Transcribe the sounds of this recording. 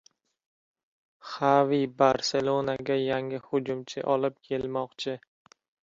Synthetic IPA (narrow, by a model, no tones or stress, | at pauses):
χavibaɾse̞lˠonaɡʲajaŋɪhʊd͡ʒʊmt͡ʃʰɪ̰ʔɒlɪp̚kʲʰe̞lmɒqt͡ʃʰɪ